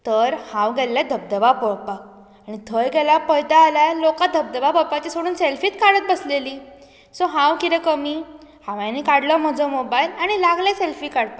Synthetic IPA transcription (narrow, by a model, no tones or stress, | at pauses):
t̪əɾhãwɡɛlːad̪ʱəb̚d̪əʋapəpak̚ | aɽ̃it̪ʰəjɡɛlapəjt̪aːlalokat̪̚d̪ʱəb̚d̪əʋapəpat͡ɕisoɽuːnselfiːt̪kaɽət̪̚bəsleliː | sɔɦãwkiɾekəmiː | hãʋjãnikaɽlɔm̤əd͡zomobailaɽ̃ilaɡleselfiːkaɽt̪a